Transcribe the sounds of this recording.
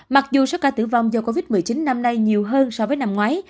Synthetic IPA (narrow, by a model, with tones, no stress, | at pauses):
ma˨˩k̚zu˨˩sɔ˨˦˥kaː˧˩t̪ɨ̰˧˩va˨wŋ͡mzəː˨˩ko˧vi˦˥t̚mɨ˨˩jt͡ɕi˨˦nːa˧mna˧jɲi˨˩əwɦəː˧nsɔ˧vəː˨˦jna˧mŋwaː˨˦j